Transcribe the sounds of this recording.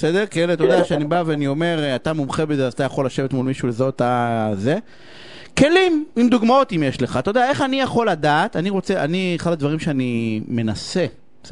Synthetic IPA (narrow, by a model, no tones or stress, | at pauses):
esed̪eʁkaelet̪od̪aʃeanibaveaniome̞ʁatamumχe̞bezeazat̪ajaχo̞laʃe̞vet̪mulmiʃulezoat̪aze̞ | ke̞limimd̪uɡmao̞t̪imjeʃleχat̪od̪ae̞χanijaχo̞lad̪aːt̪aniʁot͡se̞ʔanieχad̪ad̪vaʁimʃeanime̞nase̞ | s